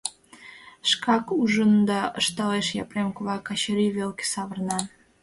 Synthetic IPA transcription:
ʃkɑkuʒənd̪ɑəʃt̪ɑleʃjɑpremkoβɑkɑɕəɾiβelke̥sɑβərnɑn

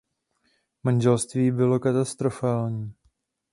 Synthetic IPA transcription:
manʒɛlst̪viːbɪlo̞kat̪ast̪ɾo̞faːlɲiː

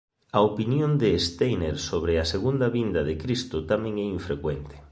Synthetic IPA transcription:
ɐopinjond̪eːst̪ejneɾsoβɾeaseɣund̪ɐβind̪ɐðekɾist̪ʊt̪amɛ̃ŋɛiɱfɾekwɛnt̪ɪ̥

